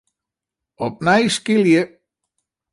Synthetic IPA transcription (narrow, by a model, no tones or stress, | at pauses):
ɔp̚najskiljə